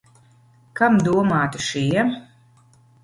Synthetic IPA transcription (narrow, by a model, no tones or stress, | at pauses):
kamd̪uɔmaːt̪uʃiɛm